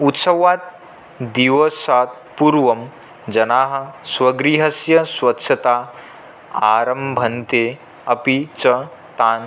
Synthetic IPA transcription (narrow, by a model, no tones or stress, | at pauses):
ut̪sɐʋaːt̪̚ | d̪iʋɐsaːt̪̚ | puɾʋɐm | d͡ʒɐnaːɦɐ̆swɐɡɾiːɦɐsjɐswɐtːʃʰɐt̪aː | aːɾɐmbʱɐnt̪eː | ɐpit͡ʃɐ | t̪aːn